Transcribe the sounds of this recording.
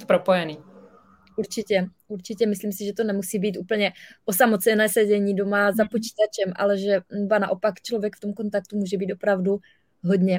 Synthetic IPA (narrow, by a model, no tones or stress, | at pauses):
pɾopojɛniː | ʔuɾt͡ʃɪcɛʔuɾt͡ʃɪcɛmɪsliːmsɪʒɛt̪o̞nɛmusiːbiːt̪ʔuːpl̩ɲɛʔo̞samo̞t͡sɛnɛːsɛɟɛɲiːdo̞mazapo̞t͡ʃi̥ːt̪at͡ʃɛmʔa̰lɛʒɛnobana̰ʔo̞pakt͡ʃlovjɛkft̪o̞mko̞nt̪ak̚t̪umuːʒɛbiːt̪o̞pɾavdu | ɦo̞dɲɛ